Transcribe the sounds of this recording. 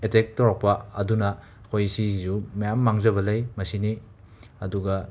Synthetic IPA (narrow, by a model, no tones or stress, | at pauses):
etek̚toɾak̚pɐɐ̰dunɐ | kʰojsizumɐjamːaŋzɐβɐlɐjmɐsini | ɐduɡɐ